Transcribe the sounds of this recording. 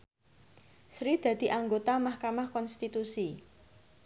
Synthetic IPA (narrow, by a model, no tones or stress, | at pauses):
sɾid̪̥ä̤d̪̥i̤ʔaŋɡot̪amahkamahkɔnst̪it̪usi